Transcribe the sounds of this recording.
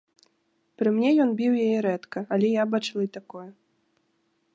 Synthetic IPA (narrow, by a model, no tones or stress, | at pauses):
pɾɨmnʲɛjɔnbʲiwjajɛɾɛt̪kɐalʲɛjabat͡ʂlˠɐit̪akɔjɐ